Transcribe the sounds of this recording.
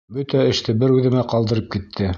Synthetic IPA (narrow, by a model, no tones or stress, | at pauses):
bɵt̪æɘ̆ʃt̪ɘbɘɾʉðɘ̆mæqɑlˠd̪ɤ̆ɾɤp̚kit̪ʰːɘ